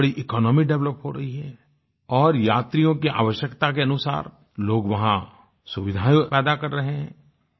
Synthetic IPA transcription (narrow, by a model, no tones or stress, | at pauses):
ɽiʔɪkɔːnɔːmiɖɛʋləpɦoɾɐɦiɦɛ | ɔːɾjaːt̪ɾijõkiʔa̰ːʋəʃjəkt̪ak̬eɐnʊsa̰ːɾ | loːɡʋɐɦã | sʊʋɪd̪ʱaːjopɛːd̪akɐɾːɐɦeɦɛ̰̃ː